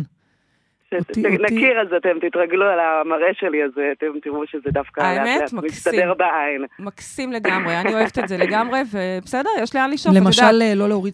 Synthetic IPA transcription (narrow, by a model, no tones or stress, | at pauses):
ʃenakiʁazat̪emt̪it̪ʁaɡlualamaʁe̞ʃeliazeat̪emt̪iʁuʃezed̪afkaaejameeatmamist̪adeʁbaainmaksimle̞ɡamʁeanio̞evet̪ezeleɡamʁe̞vebesede̞ʁjeʃlianliʃolemaʃalelo̞leoʁi